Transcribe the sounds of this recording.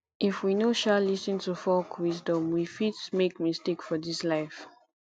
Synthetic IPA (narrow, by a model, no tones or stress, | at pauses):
ʔifwinoʃalisə̃ntufɔkʰwisdɔ̃mwifidmekmistekfɔdislaɪf